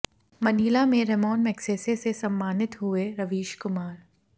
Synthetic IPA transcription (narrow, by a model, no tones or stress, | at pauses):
mɐniːlamẽɾɛmɔːnmɛkseːsesesɐ̃mːaːnɪt̪ɦʊeɾɐʋiːʃkʊmaːɾ